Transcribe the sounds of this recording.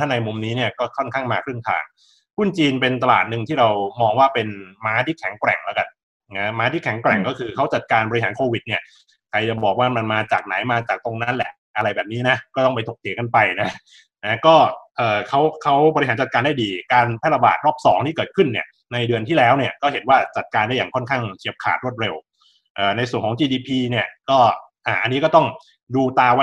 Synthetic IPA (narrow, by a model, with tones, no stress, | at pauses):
t̪ʰa˥˩ŋna˧jmu˧mniː˦˥ni˥˩ɐkɔː˥˩kʰɔ˥˩nkʰaː˥˩ŋmaː˧kʰɾɯ˥˩əŋt̪ʰa̰ː˧˩ŋ | kʰu˥˩nt͡ɕiː˧npe˧nt̪a˧la̰ː˨˩t̪̚nɯ˨˧˩ŋt̪ʰiː˥˩ɾa˧wmɔː˧ŋwaː˥˩pe˧nmaː˦˥t̪ʰiː˥˩kʰɛ˩˦ŋkɾɛ̰˨˩ŋlɛ˦˥wka˧n | na˦˥maː˦˥t̪ʰiː˥˩kʰɛ˩˦ŋkɾɛ̰˨˩ŋkɔː˥˩kʰɯː˧kʰa˦˥wt͡ɕa˨˩t̪̚kaː˧nbɔ˧i˧ɦaː˩˦nkʰoː˧wi˨˩t̪̚ni˥˩ɐ | kʰa˧jt͡ɕa˨˩bɔː˨˩k̚waː˥˩ma˧nmaː˧t͡ɕaː˨˩k̚na̰˩˦jmaː˧t͡ɕaː˨˩k̚t̪o˧ŋna˦˥nlɛ˨˩ʔʔa˧ɾa˧jbɛː˨˩p̚niː˦˥na˦˥kɔː˥˩t̪ɔ˥˩ŋpa˧jt̪ʰo˨˩k̪̚ʰi˩˦ka˧npa˧jna˦˥ | na˦˥kɔː˥˩ʔɤː˨˩kʰa˦˥wkʰa˦˥wbɔ˧ɾi˥ɦaː˩˦nt͡ɕa˨˩t̪kaː˧nda˥˩jdiː˧kaː˧npʰɛ˥˩la˧ba̰ː˨˩t̪̚ɾɔː˥˩p̚sɔ̰ː˩˦ŋt̪ʰiː˥˩kɤː˨˩t̪̚kʰɯ˥˩nːi˥˩ɐ | na˧jdɯ˧ənt̪ʰiː˥˩lɛː˦˥wni˥˩ɐkɔː˥˩he˩˦nwaː˥˩t͡ɕa˨˩t̪̚kaː˧nda˥˩jaː˨˩ŋkʰɔ˥˩nkʰaː˥˩ŋt͡ɕʰi˨˩əp̚kʰa̰ː˨˩t̪̚ɾu˥˩ət̪̚ɾe˧w | ʔɤː˨˩na˧jsu˨˩ənkʰːŋt͡ɕiː˧diː˧pʰiː˧ni˥˩əkɔː˥˩ | ʔaː˨˩ʔa˧nːiː˦˥kɔː˥˩t̪ɔ˥˩ŋ | duː˧t̪aː˧w